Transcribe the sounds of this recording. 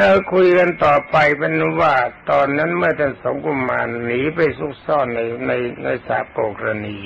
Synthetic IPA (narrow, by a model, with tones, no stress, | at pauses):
a˧˩kʰu˧jka˧nt̪ɔː˨˩pa˧jpe˧nwaː˥˩t̪ɔː˧nːa˦˥nmɯ˥˩ɐt̪ʰa˧˥˩nso˨˦ŋkʰu˧mːa̰ː˧nːiː˨˦pa˧˩jsu˦˥˩k̚sɔː˥˩nːa˧jna˧jna˧jsa̰ː˨˦p̚koː˨˩kʰɾa˧niː˧